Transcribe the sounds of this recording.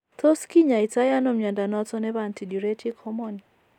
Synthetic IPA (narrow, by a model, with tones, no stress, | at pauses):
t̪o˦ski˦ɲa˨i˨ta˦ja˦no˦mja˨nda˨nɔ˦tɔ˦nɛ˦βa˨nti˨du˨ɾe˦tʰi˦kʰɔ˦mɔni˨